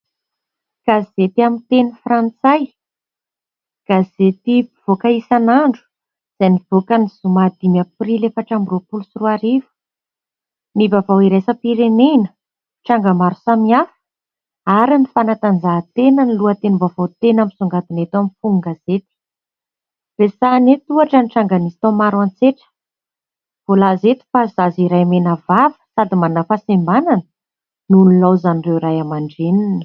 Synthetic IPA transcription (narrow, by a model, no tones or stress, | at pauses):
ɡ̥azet̪iamint̪enifrant͡saj | ɡ̥azet̪iv̥okəisanaɳɖ͡ʐu̥ | z̥ajnivokəniz̥umad̪imaprilefəʈ͡ʂambiropulusiruaɾivə̥ | nivavawiɾesəpiɾenenə | ʈ͡ʂaŋɡamaɾu̥samiafu̥ | aɾinifanat̪and͡zat̪enəniluət̪enibavot̪enamisuŋɡat̪inet̪amifuŋŋɡaz̥et̪i̥ | v̥esanet̪uaʈ͡ʂəniʈ͡ʂaŋɡanist̪omaɾwant͡seʈ͡ʂə̥ | v̥olazet̪i̥fazaziɾajmenəvavə̥sad̪imannafasimbananə | nunilawzanirewɾajamaɳɖ͡ʐeninə̥